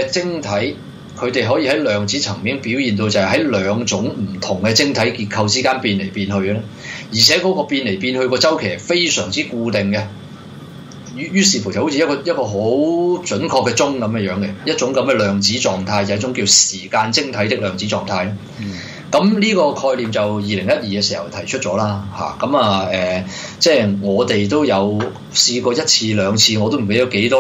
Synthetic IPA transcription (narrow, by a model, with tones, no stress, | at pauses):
t͡sɪ˥ŋt̪ʰɐ˨˥j | kʰɵ˨˧ɥt̪e˨jɦɔː˨˥jiː˧hɐ˨˥jlœː˨˧ŋt͡siː˨˥t͡sʰɐ˨˩ŋmiː˥ŋpi˨˥wjiː˨nt̪̬o˧wt͡sɐ˨ɦɐ˨˥jlœː˨˧ŋt͡sʊ˨˥ŋm̩˨˩t̪ʰʊ˨˩ŋkɛ˧t͡sɪ˥ŋt̪ʰɐ˨˥jkiː˧t̚kʰɐ˧wt͡siː˥kaː˥npiː˧nle˨˩jpiː˧nhɵ˧ɥlɛ˥ | jiː˨˩ɛː˨˥kɔː˨˥kɔː˧piː˧nle˨˩jpiː˧nhɵ˧ɥkɔː˧t͡sɐ˥wkʰeː˨˩fe˥jsœː˨˩ŋt͡siː˥kuː˧t̪ɪ˨ŋkɛ˧ | jy˨˥jyː˥siː˨˩fu˨˩t͡sɐ˨˩ho˨˥wt͡sʰi˧˦ɐ˥t̚kɔː˧jɐ˥t̚kɔː˧ɦo˨˥wt͡ʃɵ˨˥nkʰɔː˧kːɛ˧t͡sʊ˥ŋkɐ˨˦mɛ˧jœː˨˥ŋɡɛ˧jɐ˥t̚t͡ʃʊ˨˥ŋkɐ˨˥mkɛ˧lœː˨˩ŋt͡siː˨˥t͡sɔː˨ŋt̪ʰaː˧jt͡sɐ˨˥t͡ʃːʊ˨˥ŋkiː˧wsiː˨˩kaː˧nt͡sɪ˥ŋt̪ʰɐ˨˥jt̪ɪ˥k̚lœː˨ŋt͡siː˨˥t͡sɔ̰ː˨˩ŋt̪ʰaː˧j | kɐ˨˥mnliː˥kɔː˧kʰɔː˧jli˨mt͡sɐ˨wjiː˨˩lɪ˨˩ŋjɐ˥t̚jiː˨kɛ˧siː˨˩hɐ˨˩wt̪ʰɐ˨˩jt͡ʃʰɵ˥t̚t͡ʃɔː˨˥laː˥ha̰ː˨˩kɐ˨˦mɐ˨˩ɛː˨ | t͡sɛː˥˩jŋɔː˨˧t̪e˨jt̪o˥wjɐ˨˧w | siː˧kɔː˧jɐ˥t̚t͡sʰiː˧lœː˨˧ŋt͡sʰiː˧ŋɔː˨˧t̪o˥m̩˨˩ke˨˥jɐ˨˥wke˨˥jt̪ɔː˥